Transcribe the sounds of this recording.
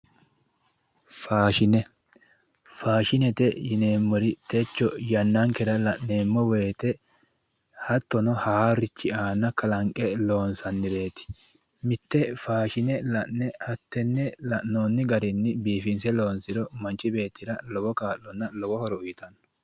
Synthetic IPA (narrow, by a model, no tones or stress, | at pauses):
faːʃɪnɛ | faːʃɪnɛt̪ɛjɪneːmːɔɾɪt̪ɛt͡ʃːɔjɐnːɐŋkɛɾɐlɐʔneːmːɔwe̞ːt̪ɛ | hɐt̪ːɔnɔhaːɾɪt͡ʃːɪaːnːɐkɐlɐŋkʼɛlo̞ːnsɐnːɪbe̞ːt̪ɪ̥ | mɪt̪ːɛfaːʃɪnɛlɐʔnɛhɐt̪ːɛnːɛlɐʔnoːnːɪɡɐɾɪnːɪbiːfɪnsɛlo̞ːnsɪɾɔmɐnt͡ʃːɪbe̞ːt̪ːɪɾɐlɔwɔkaːʔːɔnːɐlɔwɔhɔɾɔʊjɪt̪ɐnɔ̥